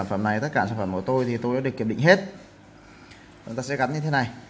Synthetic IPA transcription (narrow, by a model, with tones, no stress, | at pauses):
nfə˧˩mna˨˩jt̪ə˦˥t̚kaː˧˩saː˧˩fə˧˩mkət̪o˧jt̪ʰi˨˩t̪o˧jɗaː˧˥ɗɨ˨˩əkːi˨˩p̚ɗḭ˧˨ŋɦe˦˥t̚ | t͡ɕʊ˨˦ŋ͡mt̪aː˧sɛ˧˥ɣa˨˦nɲɨ˧t̪ʰe˨˦na˨˩j